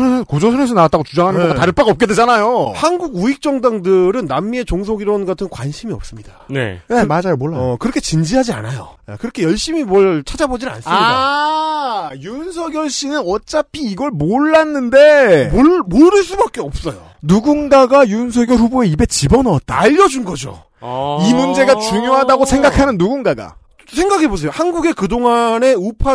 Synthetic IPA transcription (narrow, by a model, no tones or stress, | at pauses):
nsʰʌkod͡ʑosʰʌnes̬ʰʌnaat͈̚aɡot͡ɕud͡ʑaŋɦanɯnɡʌɡataɾɯpʰaɡʌp̚k͈e̞dwe̞d͡ʑanajohanɡuɡuik̚t͡ɕ͈ʌŋdaŋdɯɾɯnːamːie̞t͡ɕoŋsʰoɡiɾʌnɡatʰɯŋkwanɕʰimiʌp̚s͈ɯmɲidanḛemad͡ʑamoɭːakɯɾʌkʰe̞t͡ɕind͡ʑiɦad͡ʑia̰najo̰kɯɾʌkʰejʌɭɕ͈imimwʌɭt͡ɕʰad͡ʑabod͡ʑinna̰ns͈amɲida | juns̬ʰʌɡjʌɭɕ͈inɯnʌt͡ɕ͈apʰiːɡʌɭmoɭːanːɯnde̞ | moɾɯɭs͈ubak͈e̞ʌp̚s͈ʌjo | nuɡunɡaɡajuns̬ʰʌɡjʌɭɸuboe̞ibe̞t͡ɕibʌnʌt̚t͈a̰aʎːʌd͡ʑunɡʌd͡ʑo̰ | imund͡ʑe̞ɡat͡ɕuŋjoɦadaɡosʰe̞ŋɡakʰanɯnːuɡunɡaɡa̰ | sʰe̞ŋɡakʰe̞bos̬ʰe̞johanɡuɡe̞kɯdoŋane̞upʰa